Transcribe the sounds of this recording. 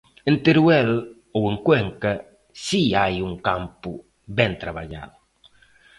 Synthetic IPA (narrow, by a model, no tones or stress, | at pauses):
ẽnt̪eɾuɛl | oeŋkwɛŋka | siajuŋkampu | bɛ̃nt̪ɾaβa̰ʎa̰ðʊ